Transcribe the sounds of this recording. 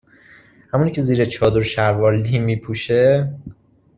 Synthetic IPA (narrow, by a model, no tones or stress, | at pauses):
hæmunicʰe̞ziːɾet͡ʃʰɒːd̪oɾʃæɾvɒːlːimiːpʰuːʃe